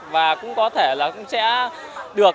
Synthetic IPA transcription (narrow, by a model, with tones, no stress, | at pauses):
vaː˨˩kʊ̰˧˥ŋ͡mkɔ˨˦t̪ʰe˧˩laː˨˩kʊ̰˧˥ŋ͡msɛ̰˧˥ | ɗɨ˨˩ək